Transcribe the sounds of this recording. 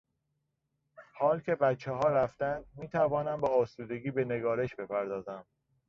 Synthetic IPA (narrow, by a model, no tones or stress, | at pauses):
hɒːlcʰe̞bæt̪t͡ʃʰːeɦɒːɾæft̪ænd̪miːt̪ʰævɒːnæmbɒːsuːd̪e̞ɡiːbe̞ne̞ɡɒːɾe̞ʃbe̞pʰæɾd̪ɒːzæm